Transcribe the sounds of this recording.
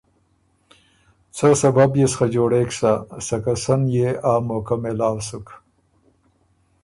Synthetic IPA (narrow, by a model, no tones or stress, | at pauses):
t͡sosɐbabjesxad͡ʒoːɽeːksasɐkasɐnjeaːmokɐmelaːwsuk